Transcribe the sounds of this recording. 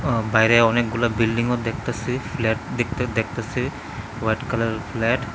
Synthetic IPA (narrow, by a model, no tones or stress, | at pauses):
bajɾɛɔnek̚ɡulabilɖiŋɔt̚d̪ɛk̚ʰt̪asipʰlɛʈ̚d̪ɛk̚t̪ad̪ɛk̚t̪asi | wajʈkalaɹpʰlɛʈ